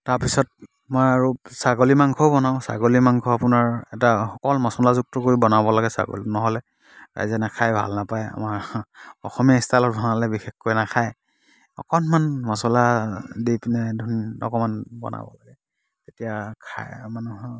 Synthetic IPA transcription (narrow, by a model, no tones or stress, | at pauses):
taɹpisɔt̚ | mɔjaɹusaɡolimaŋkʰɔbɔnaʊ̃sa̰ɡolimaŋkʰɔapʊnaɹɛtaxɔkɔlmɔsɔlazuk̚tɔkoɹibɔnabɔlaɡɛsa̰ɡo̰linɔɦɔlɛ | ɹa̰jzɛnakʰajbʱa̰lnapaja̰maɹɔ̰xɔmijaistʰalɔtdʱɔnalɛbixexkojnakʰaj | ɔ̰kɔnmanmasɔladipnɛdʱunɔ̰kɔmanbɔ̰na̰bɔ̰laɡɛ | tetijakʰa̰manuɦ